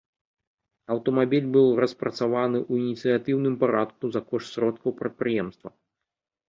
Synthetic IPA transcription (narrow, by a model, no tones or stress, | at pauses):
ɐwt̪ɐmabʲilʲbɨwˠrɐspɾɐt̪savanɨʔuinʲit̪sɨjat̪ɨwnɨmpaɾat̪̚kuzɐkɔʂsɾɔt̪̚kɐwpɾɐt̪̚pɾɨjɛmst̪vɐ̰